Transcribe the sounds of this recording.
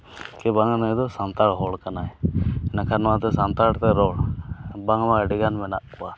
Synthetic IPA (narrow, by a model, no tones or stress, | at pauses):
kɛbaŋnɔd̪ɔsant̪aɽɦɔɽkanajnakʰanɔwat̪ɛsant̪aɽt̪ɛɾɔɽbaŋmaɖiɡanmɛnaʔkɔa